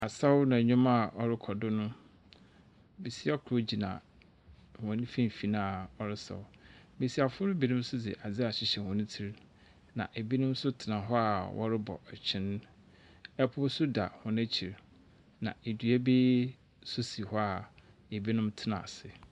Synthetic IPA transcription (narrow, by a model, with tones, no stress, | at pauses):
a˨sa˦wnã˨ɲᶣʊ̃˦ma˦˨ɔ˨ɾɪ˦kʰɔ˨dʊ˦nʊ̃˦ | be˨si˦a˦kʰʊ˨ɾo˦d͡ʑi˨nã̰˨ | wɔ̃˨nĩ˦fĩ˦m˨fi˨nã˦˨ɔ˨ɾɪ˦sa̰˨wbe˨si˦a˨fʊ˦ɾɪ˦bi˦nʊ̃˦m˦sʊ˦d͡zɪ̰˨ʔa˨d͡zɪ˦a˨ɕɪ˦ɕɛ˨hɔ̃˨nĩ˦tʰi˦ɾ | nã̰˨ʔe˨bi˦nʊ̃˦m˦sʊ˦tʰɪ˨nã˨ɦɔ˦a˨wʔɔ̰˦ɾɪ˦bɔ̰˨ʔɛ˨t͡ɕʰɪ̃˦n˦ | ɛ˦pʰʊ˦sʊ˦da̰˨hɔ̃˨næ˦t͡ɕʰi˨ɾ | nã̰˨e˨dɥɛ˦be˦ | sʊ˦si˨hɔ˦a˨ | e˨bi˦nʊ̃˦mtʰɪ˦nã̰˨sɪ˨